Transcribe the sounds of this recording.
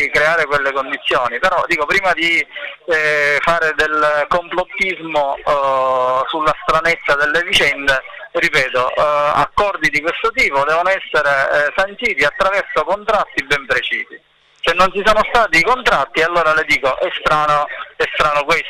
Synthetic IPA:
kɾeaːɾekwelːekond̪it̪sːjoːnipeɾɔd̪iːkopɾiːmad̪i | faːɾed̪elkomplot̪ːizmo | sulːast̪ɾanet̪sːad̪elːevit͡ʃɛnd̪e | ripɛːt̪oa̰kːɔrd̪id̪ikwest̪ot̪iːpod̪ɛːvonoɛsːeɾesant̪iːt̪iat̪ːɾavɛrsokont̪ɾat̪ːibɛmpɾet͡ʃiːzḭ | senːont͡ʃisoːnost̪aːt̪iːkont̪ɾat̪ːialːoːɾaled̪iːkoʔɛst̪ɾaːnoɛst̪ɾaːnokwes

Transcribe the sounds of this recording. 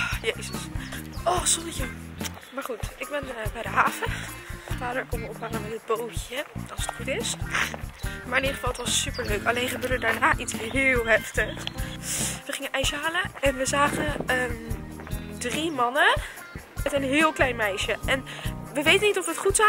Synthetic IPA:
jejzəsʔɔsɔnəçə | maːɹχutɪɡ̚bɛnbɛjdəɦaːχəfaːdəɹkɔnʋəɔpɦɑŋəmɛtəd̚bowjəɑlˠsətχutɪs | maːɹɪniəχə̥fɑlˠətʋɑsːypəɹløɥkɑlejnχəbøːɹdədaːɹnaːʔitsɦɪːlˠɦɛftəχ | ʋəχɪŋənʔɛjʃəɦaːləɛnʋəzaːχənə | drimɑnə | ətənɦɪːlˠklɛjnmɛjʃəʔɛnʋəʋejtənitɔfətχutsa

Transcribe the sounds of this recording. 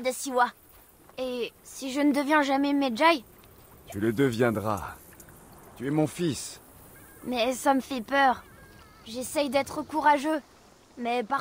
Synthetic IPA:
d̪əsiwa | esiʒənəd̪əvjɛ̃ʒamɛmɛd͡ʒaj | t̪yləd̪əvjɛ̃d̪ʁa̰ | t̪yɛmɔ̃fis | mɛsaməfɛpœʁ | ʒesɛjd̪ɛt̪χəkuʁaʒø | mɛpa

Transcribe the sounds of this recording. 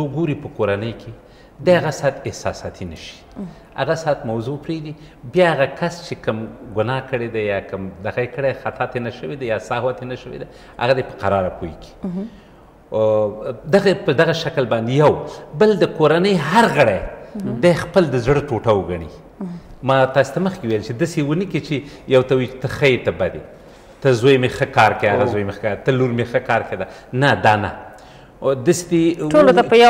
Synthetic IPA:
oɡoɾipəkoɾanəjkʰe | d̪eaɣasɑt̪ɪhsɑ̰sɑ̰t̪ʰinəʃi̥ | a̰ɣasɑːt̪mawzopɾed̪i | bjɑaɣakast͡ʃekəmɡʊnɑkəɽed̪ajɑkəmd̪aɣaekəɽexat̪ɑt̪enaʃəwed̪ajɑsahwat̪enaʃəwḛd̪a | a̰ɣad̪epə̥qaɾɑɾapʰojkʰe̥ | d̪aɣapəd̪aɣaʃaklbɑnd̪ejawbəld̪əkoɾanəjɦaɾɣəɽajd̪ɑxpəld̪əzɽəʈoʈawɡaɳ̃i | mɑt̪ɑse̥t̪aməxkewejlt͡ʃed̪əsewənəkit͡ʃejawt̪awajt͡ʃe̥t̪əxəjet̪abad̪ḛ | t̪əzojmexəkɑɾkejaɣazojmexkt̪əluɾmexəkɑɾked̪anad̪ɑna̰ | d̪əsed̪eolot̪apəj

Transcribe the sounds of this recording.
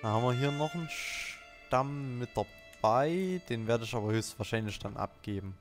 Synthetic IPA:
d̥anhaːmviːɐɦiːɐnɔχn̩ʃ | tamːɪt̚d̥ɐ̥ | aɪd̥eːnveːɐɾəɪçaːbɐhøːstv̥aːɐʃaɪnlɪçd̥anʔa̰p̚ɡ̥eːbm̩

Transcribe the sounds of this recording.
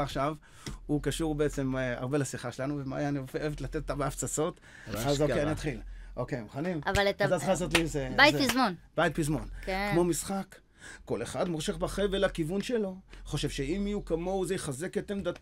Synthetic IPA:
aχʃav | ukaʃuʁbeet͡se̞ma̰ʁbe̞lasiχaʃelanuvema̰janiofeeet̪lat̪et̪otːabeaft͡sat͡so̞t̪ | azoejaniat̪χilʔo̞kejmuχanimavaletazatχazotlizebajtzpizmonbajit̪̚pizmo̞nkkmo̞misχakː | o̞le̞χad̪moʁʃeχbaχevelakivunʃelo̞χo̞ʃevʃe̞imijukamo̞wzejχaze̞ket̪emd̪at

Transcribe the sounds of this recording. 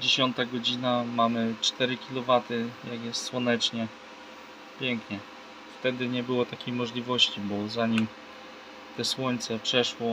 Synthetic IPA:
d͡ʑeɕɔnt̪aɡɔd͡ʑinamamɘt͡ʂt̪ɛɾɘkʲilɔvat̪ɘjaɡjɛst̪swɔnɛt͡ʂɲɛ | pʲjɛŋkɲɛ | ft̪ɛd̪ɘɲɛbɘwɔt̪akʲejmɔʐlʲivɔɕt͡ɕibɔzaɲim | t̪ɛswɔɲt̪sɛpʂɛʂwɔ

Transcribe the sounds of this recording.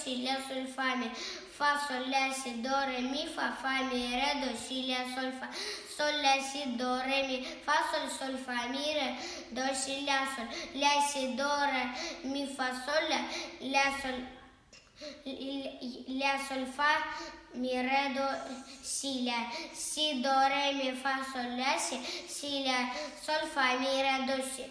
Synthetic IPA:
ʃilasɔlfami | fasɔlasid̪ɔɾɛmifafamiɾɛd̪ɔʃilasɔlfasɔlaʃid̪ɔɾɛmifasɔlsɔlfamiɾɛ | d̪ɔʃilasɔllasid̪ɔɾɛmifasɔlalasɔl | lasɔlfamiɾed̪osilʲasid̪ɔɾemifasɔlasisilasɔlfamiɾɛd̪ɔʃi

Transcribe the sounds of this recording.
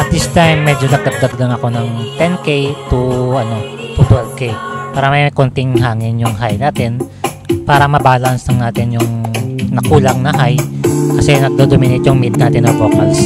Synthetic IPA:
ʔɐt̪̚d̪ist̪ajmːɛd͡ʒonɐɡ̚d̪ɐɡ̚d̪aɡ̚lɐŋɐko̞nɐŋt̪ɛnkejt̪uɐno̞t̪ut̪ɛld̪̚kejpaːɾɐmɐjkont̪ɪŋɦaːŋɪnjʊŋɦajnaːt̪ɪn | paːɾɐmɐbaːlɐnsnɐŋnaːt̪ɪnjʊŋnɐkuːlɐŋnɐɦajkɐsɛnɐɡ̚d̪od̪omɪnɪt̪jʊŋmid̪̚naːt̪ɪnːoboːkɐls

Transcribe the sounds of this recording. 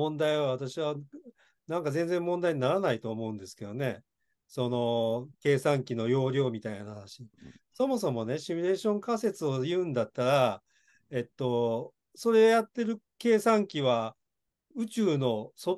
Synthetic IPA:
õ̞nd̪aiβaβ̞at̪aɕiβa | nãŋkazẽ̞nd͡zẽmːõ̞nd̪aiɲ̟inaɾanait̪o̞ːmo̞ɯ̟̃nd̪e̞sɨ̥ke̞d̪o̞ne̞̰ | so̞no̞ke̞ːsãŋkʲino̞jo̞ːɾʲo̞ːmʲit̪ainahanaɕiso̞mo̞so̞mo̞ne̞ɕimʲiɾe̞ːɕõ̞ŋkase̞t͡sɨo̞jɯ̟̃ːnd̪at̪ːaɾa | e̞t̪ːo̞ | so̞ɾe̞ojat̪ːe̞ɾɯ̟ | ke̞ːsãŋkʲiβa | ɯ̟t͡ɕɨːno̞so

